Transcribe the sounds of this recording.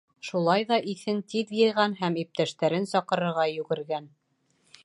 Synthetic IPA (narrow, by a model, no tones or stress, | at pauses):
ʃulˠɑjðɑʔiθɘnt̪iðjɤ̆jʁɑnɦæmip̚t̪æʃt̪æɾɘnsɒqɤ̆ɾɤ̆ɾʁɑjʉɡɘ̆ɾɡæn